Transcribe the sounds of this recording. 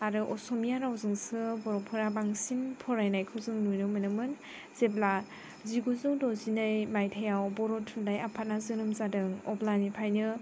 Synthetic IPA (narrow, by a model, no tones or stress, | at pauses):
aɾɯʔɔsɔmijaɾawzɯŋsɯbɔɾɔpʰɯɾabaŋsimpʰɔɾajnajkʰɯwzɯŋnujnɯmɯnɯmɯn | z̥ebla | ziɡuzɯŋdɔzinɯjmajtʰajawbɔɾɔtʰːundajapʰat̚nazɯɾɯmzadɯŋɔ̰blanipʰajnɯ